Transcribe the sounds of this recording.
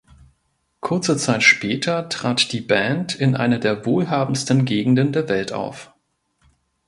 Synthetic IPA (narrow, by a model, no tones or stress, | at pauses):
kʰʊɐt͡sət͡saɪtʃpɛːtʰɐtʁ̥aːtd̥iːbɛntʰɪnʔa̰ɪnədeːɐvoːlɦaːbm̩stn̩ɡeːɡŋ̩dəndeːɐvɛltʔa̰ʊf